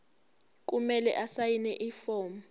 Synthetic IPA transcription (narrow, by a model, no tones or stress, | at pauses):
k̬ʼumɛlɛ̰ʔasajinɛʔifɔːm